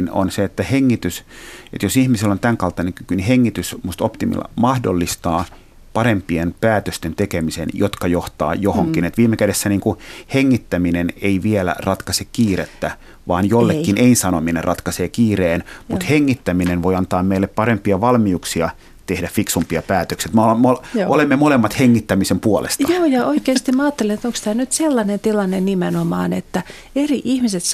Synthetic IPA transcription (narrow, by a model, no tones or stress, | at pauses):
no̰nseet̪ːæheŋːit̪ysḛt̪josihmiselːont̪æŋkɑlt̪ɑneŋkykyniheŋːit̪ysmust̪opt̪imḭl̰mɑhdo̰lːist̪ɑː | pɑrempienpæːt̪øst̪ent̪ekemisḛnjot̪kɑjoht̪ɑ̰ːjohoŋkinet̪ʋiːmːekædesːæniːŋkuheŋːit̪ːæmineneiʋielæ̰rɑt̪kɑsekkiːret̪ːæ | ʋɑːnjolːekːineinsɑnominerrɑt̪kɑseːkiːreːnmut̪heŋːit̪ːæminenʋoiɑnt̪ɑːmmeilːeppɑɾempiɑʋɑlmiuksiɑ | t̪ehdæffiksumpiɑpæːt̪øksiet̪molmolʔolemːemolemːɑt̪heŋːit̪ːæmisempuolḛst̪ɑjoːjɑoikeːst̪imæɑːt̪ːelenet̪oŋkst̪æːnyt̪selːɑnent̪ilːɑnennimenomɑ̰ːnet̪ːæ | eriʔihmiset̪